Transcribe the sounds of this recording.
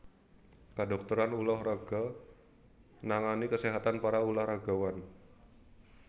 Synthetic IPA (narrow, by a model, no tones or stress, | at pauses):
kadɔk̚t̪uɾanulɔhraɡa | naŋanikəseɦat̪anpaɾaulahraɡawan